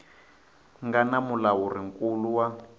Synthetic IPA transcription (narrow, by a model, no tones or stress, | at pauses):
ŋɡanamulawuriŋkuluwa